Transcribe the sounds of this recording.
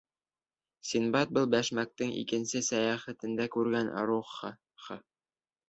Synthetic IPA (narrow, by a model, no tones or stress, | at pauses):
sinbɑt̪̚bɤlˠbæʃmæk̚t̪ɘŋḭkɘ̆nsɘsæjɑχæ̆t̪ɘ̆nd̪ækʉɾɡænʔɑ̰ɾuχ | χɑ